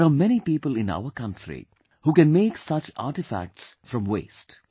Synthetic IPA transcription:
ɾamɛñipiːpəlɪ̃na̰ʊəkʌ̃ntʰɾḭ | huːkɛ̃nmeːksʌt͡ʃa̰ːʈɪfæ̰k̚ʈsfɾɔ̃mwḛːst

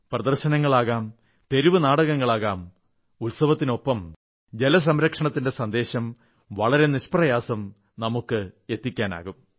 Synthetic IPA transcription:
prɐd̪ɐrɕɐnɐŋːɐɭaːɣaːm | t̪e̞ɾiʋɨnaːɽɐɣɐŋːɐɭaːɣaːm | ulsɐʋɐt̪ːino̞pːɐm | d͡ʑe̞lɐs̬ɐmɾɐkʂɐɳɐt̪ːinde̞sɐnd̪e̞ːɕɐm | ʋɐɭɐɾe̞niɕprɐjaːsɐm | nɐmukːɨe̞t̪ːikʲːaːna̰ːɣum

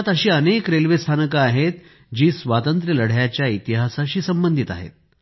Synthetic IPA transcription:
at̪əɕiːənekɾelʋest̪ʰanəkaːɦet̪ | d͡ʑiːsʋat̪ənt̪ɾjələɽ̤jat͡ɕjait̪iɦasaɕiːsəmbənd̪ʱit̪a̰ɦḛt̪̚

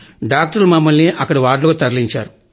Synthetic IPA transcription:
ɖaːk̚ʈɐɾlumɐmːɐlniʔɐkːɐɽiʋaːɾloːt̪ɐɾliɲt͡ʃaːɾu

